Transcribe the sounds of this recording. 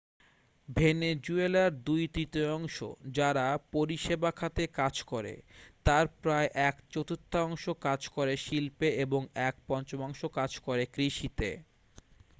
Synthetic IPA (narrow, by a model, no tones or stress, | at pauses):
bʱened͡ʑuelaɾd̪ujt̪ɾit̪oɔŋʃo̰d͡ʑaɾapoɾiʃebakʰat̪ekad͡ʑkoɾḛt̪aɾpɾaeʔɛkt͡ɕot̪ot̪ʰːoɔŋʃokad͡ʑkoɾeʃilpeeboŋɛk̚pɔnt͡ɕomɔŋʃokad͡ʑkoɾekɾiʃit̪e